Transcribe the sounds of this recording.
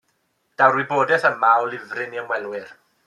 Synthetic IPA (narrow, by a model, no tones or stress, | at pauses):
d̥awɾwiboːdɛθəmaɔlɪvrɪniəmwɛlˠwɪr